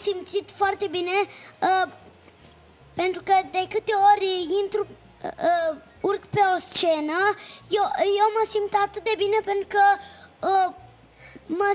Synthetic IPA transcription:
simt̪sit̪foart̪ebine | pent̪ɾukəd̪ekɨt̪eoɾʲint̪ɾu | uɾkpeost͡ʃenajojoməsimbt̪at̪ɨt̪̚d̪ebinepent̪ɾukə | mə

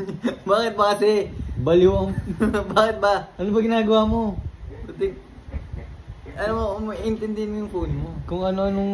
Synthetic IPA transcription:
baːkɪt̪̚bɐkɐsɛbɐljobaːkɪt̪̚baɐʔɐnobɐɡɪnaːɡɐwamo̞pɐt̪ɪ | ʔɐnomomɐʔɪnt̪ɪnd̪ɪɪnmojʊŋpuːnmokʊŋɐnoʔɐnoŋ

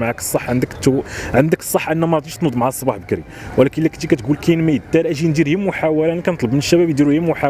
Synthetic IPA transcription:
maʕakə̥sˤːɑħːʕənd̪əkt̪ːʕənd̪əkə̥sˤːɑħːʔənːæmæt̪ˤiʃt̪nud̪ˤmaʕasˤːbɑħbəkɾi | wlækəlːækə̥t̪ːikæt̪ɡulkæjnmæjət̪ːæɾʔæʒind̪iɾhəmːuħawælænkænət̪ˤləbmənəʃːæbæbjd̪iɾuhəmːʊħa

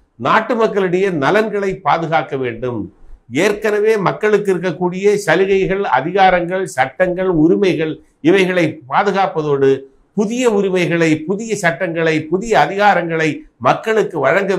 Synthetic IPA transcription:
naːʈːɯmɐkːɐɭɯɽɐjɐnɐlɐnɡɐɭɐɪpːaːðɯɣaːkːɐʋeːɳɖɯmeːɾkɐnɐʋeːmɐkːɐɭɯkːɪɾɯkːɐkːuːɽɪjɐsɐlɪɣɐɪɣɐɭɐ̰ðɪɣaːɾɐŋɡɐɭsɐʈːɐŋɡɐɭʊɾɪmɐɪɣɐɭ | ɪʋɐɪɣɐɭɐɪpːaːðɯɣaːpɐðoːɽɯ | pʊðɪjɐʊɾɪmɐɪɣɐɭɐɪpʊðɪjɐsɐʈːɐŋɡɐɭɐɪpʊðɪjɐːðɪɣaːɾɐŋɡɐɭɐɪmɐkːɐɭɯkːɯʋɐɻɐŋɡɐ

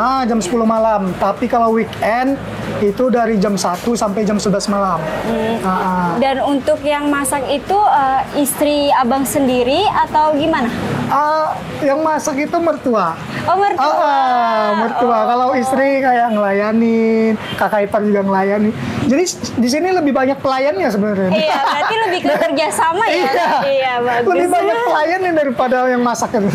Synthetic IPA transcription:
ad͡ʒamsə̥puluhmalamt̪apikalawwikɛnd̪̚ | it̪udaɾid͡ʒamsat̪usampajd͡ʒamsəblasmalam̩aʔadanunt̪ʊkjaŋmasakit̪uəist̪ɾiabaŋsəndiɾiat̪awɡimanaə | jaŋmasakit̪umərt̪ua | omərt̪əʔəmərt̪uakalawist̪ɾikajaŋəlajanɪnkakaipard͡ʒuɡaŋəlajanid͡ʒadi | dis̬iniləbɪhbaɲak̚pəlajanɲas̬əbənəɾɪnabɾailəbɪhkkərd͡ʒasamajiajaiabaləbɪhbaɲak̚pəlajanadaɾipadajaŋmasakit̪u

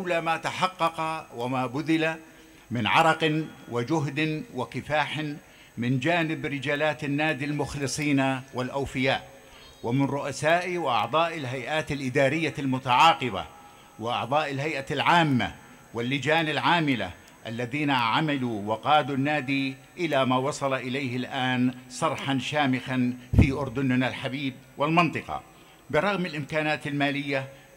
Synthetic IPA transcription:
lamat̪aħɑqːɑqɑwamaːbʊðɪla | mɪnʕɑ̰ɾˤɑqnwɪd͡ʒʊɦd̪ɪwɪkɪfaːħɪn | mɪnd͡ʒaːnɪbɾɪd͡ʒaːlaːt̪anːaːd̪ilmʊxlɨsˤiːnawɪlʔawfɪjaːʔ | wɪmɪnɾʊʔasaːʔiwɪʔɑ̰ʕd̪ˤɑːʔɪlɦajʔaːt̪alʔɪd̪aːɾɪjːalmʊt̪aʕɑːqɨba̰ | wɪʔɑ̰ʕd̪ˤɑːʔɪlɦajʔalʕaːmːa̰ | wɪlːɪd͡ʒaːnɪlʕaːmɪla̰ | ʔalːaðiːnaʕamaluwaqɑːd̪unːaːd̪i | ʔɪlamaːwɑsˤɑlɑʔɪlajhɪlʔaːnsˤɑɾˤħanʃaːmɪxanfiːʔʊɾd̪ʊnnalħabiːb̚ | wɪlmɑnt̪ˤɨqɑ̰ | bɨɾˤɑɣmɪlʔɪmkaːnaːt̪ɪlmaːlɪjːa

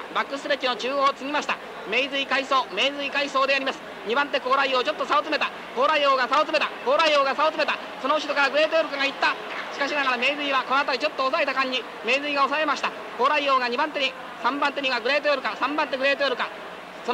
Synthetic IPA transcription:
bakːɯ̟sɨɾekʲino̞t͡ɕɨːoːt͡sɨɡʲimaɕi̥t̪a | me̞izɨikaiso̞ːme̞ːzɨikaiso̞ːd̪e̞aɾʲimasɨ̥ | ɲ̟ibãnt̪̬e̞ko̞ːɾaioːt͡ɕo̞t̪ːo̞saot͡sɨme̞t̪a | ko̞ːɾaio̞ːɡasaot͡sɨme̞t̪ako̞ːɾaio̞ːɡasaot͡sɨme̞t̪a | so̞no̞ɯ̟ɕid̪o̞kaɾaɡɯ̟ɾe̞ːt̪ojoɾɯ̟kaɡait̪ːa | ɕi̥kaɕ̬inaɡaɾame̞ːzɨiβako̞noat̪aɾʲit͡ɕo̞t̪ːo̞ːsaet̪akãɲ̟ːi | me̞ːzɨiɡao̞sae̞maɕi̥t̪a | ko̞ːɾaio̞ːɡaɲ̟ibãnt̪̬eɲi | sãmbãnt̪e̞ɲ̟iɡaɡɯ̟ɾe̞ːt̪̬ojoɾɯ̟kasãmbãnt̪e̞ɡɯ̟ɾe̞ːt̪ojoɾɯ̟ka | so

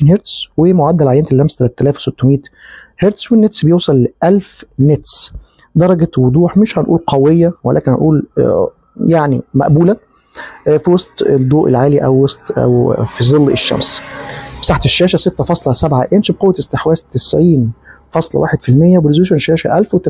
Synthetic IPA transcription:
nheɾt̪swemoʕad̪ːælʕajːænt̪ælʔæmst̪ælæt̪æt̪ːælæːfwsot̪ːomiːt̪heɾt̪swenːet̪sbejewsˤɑlʔælfnet̪s | d̪ɑɾˤɑɡæwod̪ˤuːħmeʃhænʔuːlqʰɑwejːæwæ̰læ̰ːkenhænʔuːl | jaʕnḭmæ̰ʔbuːlæ | fiwɑsˤt̪ˤd̪ˤːoːʔḛlʕaːliʔæ̰wwɑsˤt̪æ̰wfizˤelːḛʃːæ̰msbsaːħt̪eʃːæːʃæset̪ːæfɑsˤlɑsæbʕaʔenʃbqowːæt̪est̪eħwæːst̪ɪsʕiːn | fɑsˤlɑ̰wa̰ːħed̪filmejːæbɾozuʃænʃæːʃæ̰ʔælfwet̪

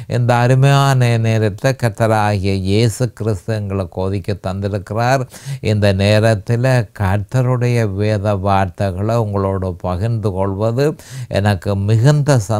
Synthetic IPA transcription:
ʔɪ̰nd̪ɐːɾɪmɐjaːnɐneːɾɐt̪ːɪlɐkɐɾt̪ːɐɾaːɣɪjɐjeːsɯkɪɾɪst̪ɯɛŋɡɐɭɐkːoːðɪkʲːɯt̪ːɐnd̪ɪɾɯkːɪraːɾɪnd̪ɐneːɾɐt̪ːɪlɐkɐɾt̪ɐɾɯɽɐjɐʋeːðɐʋaːɾt̪ɐɣɐɭɐʊŋɡɐɭoːɽɯpɐɣɪnd̪ɯkɔɭʋɐðɯʔɛ̰nɐkːɯmɪɣɐnd̪ɐsɐ

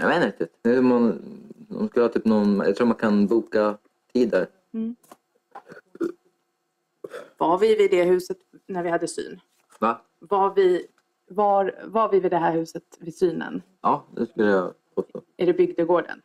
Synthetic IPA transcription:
javeːnəɾɪk̪t̪ːɪt̪nɛmana̰skɵləhɑːt̪yːpnɔnmjɑ̰at̪ʰɾuːɾmankʰanbuːka | t̪ʰiːd̪æɾ̩ | vaɾvɪvɪd̪ɛɦʉ̟ːsət̪næɾvɪhad̪ːəsy̰ːn | va | vavɪ | vɑɾvaɾvɪvɪd̪ɛɦæːɾhʉ̟ːsət̪vɪsyːnə̰n | ɑːd̪ɛ̰skɵlːəjaɡoso̰ʔæɖɛbʏɡd̪əɡoːɖə̰n

